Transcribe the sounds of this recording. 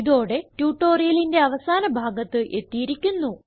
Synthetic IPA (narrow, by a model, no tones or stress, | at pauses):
iðo̞ːɽe̞tjuːʈːo̞ːrijɐlinde̞ɐʋɐsaːnɐbʱaːɡɐt̪ːɨʔe̞t̪ːijiɾikʲːunːu